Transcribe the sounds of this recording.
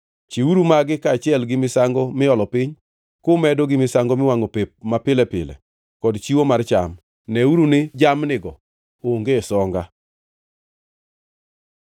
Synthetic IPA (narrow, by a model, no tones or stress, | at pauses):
t͡ʃiuɾumaɡɪkaːt͡ʃɪɛlɡɪmɪsaŋɡɔmɪɔlɔpɪɲ | kʊmɛdoɡɪmɪsaŋɡomɪwaŋopepmapɪlɛpɪ̰lɛ̰ | kɔdt͡ʃiwomart͡ʃa̰m | nɛuɾunɪd͡ʒamnɪɡɔ | ooŋɡesɔŋɡa